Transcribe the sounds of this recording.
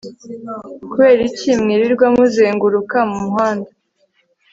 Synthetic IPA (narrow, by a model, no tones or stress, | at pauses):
kuβe̞ːɾicimŋiɾiɾɡwamuzeːŋɡuɾukamumuɦaːnda